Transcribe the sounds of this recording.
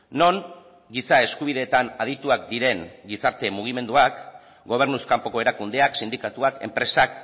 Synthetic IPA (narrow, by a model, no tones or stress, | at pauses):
no̞n | ɡisae̞skuβ̞iðe̞ːt̪anað̞it̪uak̚d̪iɾe̞ŋɡisaɾt̪e̞muɣ̞ime̞nd̪uak | ɡo̞β̞e̞ɾnuskampo̞ko̞e̞ɾakund̪e̞aksind̪ikat̪uake̞̰mpɾe̞sak